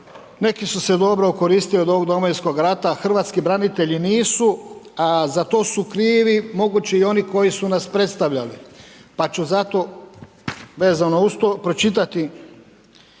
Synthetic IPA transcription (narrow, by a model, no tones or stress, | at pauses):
ne̞kisuse̞d̪o̞bɾoko̞ɾiːst̪iliod̪o̞ʋoɡd̪o̞mojinsko̞ɡɾat̪axr̩ʋaːt̪skibɾanit̪e̞ʎiniːsuazat̪o̞ːsukɾiːʋimo̞ɡut͡ɕeio̞niko̞jisunaspɾe̞t̪st̪aʋʎalipat͡ʃuzat̪o̞ | ʋe̞ːzanoust̪opɾot͡ʃit̪at̪i